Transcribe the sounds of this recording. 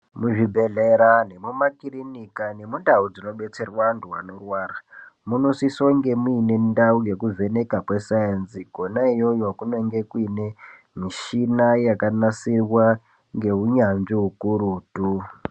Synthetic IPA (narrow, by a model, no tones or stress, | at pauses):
muʐibʱeɮeɾane̞mumakirinikane̞mundaud͡zino̞ɓe̞t͡se̞rwanduwanorwaːramunosisoŋɡe̞muine̞ndauje̞kuve̞ne̞kapwesajanziɡʱo̞naijo̞jokunoŋɡe̞kwine̞ | miʃinajakanasirwa | ŋɡe̞uɲanʐiɦukuɾutu